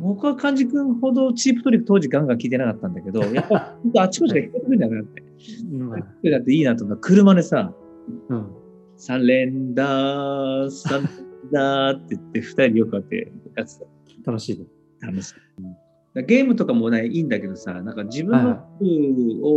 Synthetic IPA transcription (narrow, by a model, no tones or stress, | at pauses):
hokɯβakʰãɲ̟d͡ʑikɯ̟̃ɰ̃ho̞d̪o̞t͡ɕiːpɯ̟t̪oɾʲikɯ̟̥t̪o̞ːʑiɡãŋɡãŋkʲiːt̪eakat̪ːãnd̪ake̞d̪o̞japːaiõt̪oat͡ɕi̥kot͡ɕiɡaçʲi̥k̪ot̪ekɯ̟ɲʲanat̪ːe̞ | atɯɲʲat̪ːeiːnat̪omkːakʰɯ̟ɾɯ̟mad̪esã | sãnɾẽ̞nd̪a | sãd̪at̪ːe̞ɯt̪ːeɸɯ̥t̪aiɾʲijokɯ̟at̪ːe̞̰jat͡sɨ̥t̪a | t̪anoɕiːd̪e | t̪ʰano̞ɕi̥ | d̪aɡe̞ːmɯ̟t̪o̞kamo̞naĩːnd̪ake̞d̪o̞sa̰nãŋkad͡ʑibɯ̃nːokɯ̟o